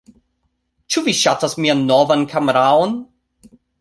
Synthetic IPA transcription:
t͡ʃuviʃatasmianːovankʰameɾaon

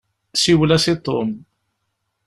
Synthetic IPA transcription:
siwlæsit̪ˤo̰m

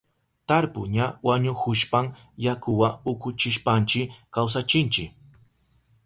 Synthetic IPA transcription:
t̪aɾpʊɲawaɲʊhʊʃpaŋ | jakʊwaʊkʊt͡ʃɪʃpant͡ʃɪkaws̬at͡ʃɪnt͡ʃɪk

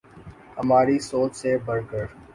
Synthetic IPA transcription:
hɐmaːɾisoːt͡ʃsebəɾkəɾ

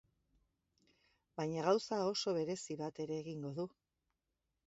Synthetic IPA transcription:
bajɲaɣawsao̞so̞β̞e̞ɾe̞siβat̪e̞ɾe̞ːɣiŋɡo̞ðu

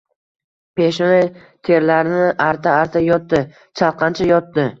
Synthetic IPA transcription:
pe̞ʃɪnɪ | t̪ʰe̞ɾlaɾɪnɪʔaɾt̪ʰaːɾt̪ʰajɒt̪ːɪ | t͡ʃʰalˠqʰɑnt͡ʃʰajɒt̪ːɪ

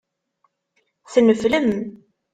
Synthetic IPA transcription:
θənəfləm

